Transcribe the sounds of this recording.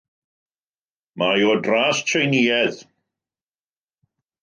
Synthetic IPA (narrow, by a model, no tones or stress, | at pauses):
majodraːstʰrejniːɛð